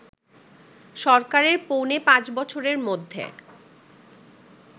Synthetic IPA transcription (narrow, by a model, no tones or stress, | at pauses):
ʃɔɾkaɾeɾponepãt͡ɕbɔt͡ɕʰoɾeɾmod̪ʱːḛ